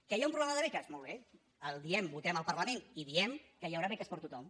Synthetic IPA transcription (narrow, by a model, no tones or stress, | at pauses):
kəjaũmpɾulɛməðəðɾɛt͡ʃəzmɔlˠβe | əlˠd̪iɛmbut̪ɛməlˠpəɾləmẽniðiɛmkəjəwɾaβɛkɛspəɾt̪ut̪ɔm